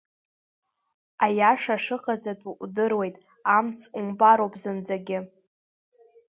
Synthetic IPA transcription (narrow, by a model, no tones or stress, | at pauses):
ajaʂaʂɨqʼad͡zatʷʼuʔʷdɨrwe̞jtʼ | amt͡sʰʼumbaɾowpʼzɨnd͡zaɡʲɪ